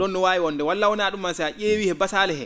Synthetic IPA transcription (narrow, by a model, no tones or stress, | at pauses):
ɗɔnːɔwaːjiwɔndɛwalːawɔnaːɗumːansɛaʔeːwihɛbasaːlɛhɛ̰